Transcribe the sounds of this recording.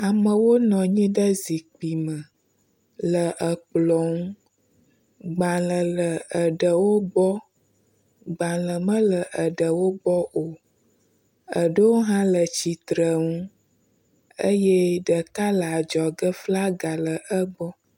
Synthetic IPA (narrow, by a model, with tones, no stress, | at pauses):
a˨mə̃˨wo˦nɔ̃˨ɲĩ˦ɖə˦zi˨k͡pi˨mə˨ | lə˨ʔə˨k͡plɔ˨ŋũ˦ | ɡ͡ba˨lə˨lə˨ə˨ɖə˨wo˦bɔ˦ | ɡ͡ba˨lə˨mə̃˦lə˨ʔə˨ɖə˨wo˦bɔ˦ʔo˨ | ə˨ɖə˦wo˦ɦã˦lə˨t͡ɕi˨t̪ɾə˨ŋũ˦ | ə˦jɛ˦ɖə˨k̪a˦lə˨a˨d͡ʒɔ˨ɡə˦fla˦ɡa˨lə˨ʔə˦ɡ͡bɔ˦